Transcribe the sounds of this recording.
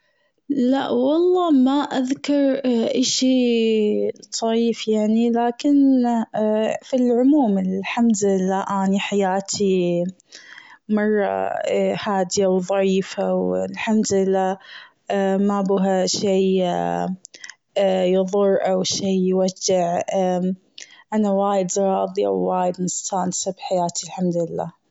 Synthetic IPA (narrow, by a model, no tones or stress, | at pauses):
laʔwɑlˤːɑːmaʔaðkɑɾˤʔaʃiː | t̪ˤʰɑʕiːfjaʕnilaːkɪn | filʕʊmuːmɪlħamd̪ɪlːaːʔaːniħajaːt̪ʰi | mɑrˤːɑ̰haːd̪ɪjawðˤɑʕiːfawlħamd̪ɪlːaː | mabuːɦaʃiː | jɨðˤʊrˤːʔawʃiːjwad͡ʒːɪʕa | ʔanawaːjɪd̪ɾˤɑːðˤiʔa̰wːaːjɪd̪mɪst̪ʰaːnsɪbħajaːt̪ilħamd̪ɪlːa̰ː